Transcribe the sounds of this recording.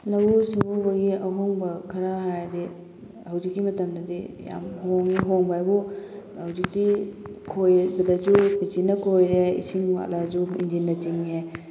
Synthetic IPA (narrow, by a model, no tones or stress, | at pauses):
lɐwusiŋbubɐɡiɐɦoŋbɐkʰɐɾaɦajdi | hɐwzikːimɐtɐmdɐdija̰mhoŋiɦoŋbajbuhɐwzik̚dikʰojbɐdɐzubizinːɐkʰojɾeḭsiŋa̰lazuḭnd͡ʒinːɐt͡ʃiŋe